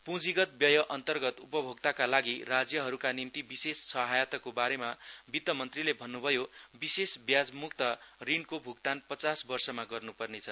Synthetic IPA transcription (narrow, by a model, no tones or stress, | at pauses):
pũd͡ziɡʌt̪̚bjʌjʌʔʌnt̪ʌrɡʌt̪upʌbʱoɡt̪akalaɡirad͡zjʌɦʌɾukanimt̪ibisessʌɦajat̪ʌkobaɾemabit̪ːʌmʌnt̪rilebʱʌnːubʱʌjobisesbjad͡zmukt̪ʌrinkobʱukt̪anpʌt͡sasbʌrsʌmaɡʌrnupʌrnet͡sʰʌ